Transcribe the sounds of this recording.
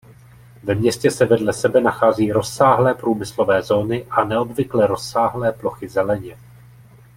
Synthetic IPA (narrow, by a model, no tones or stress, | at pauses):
vɛmɲɛscɛsɛvɛdlɛsɛbɛnaxaːziːɾo̞sːaːɦlɛːpɾuːmɪslo̞vɛːzo̞ːnɪʔanɛo̞bvɪklɛɾo̞sːaːɦlɛːplo̞xɪzɛlɛɲɛ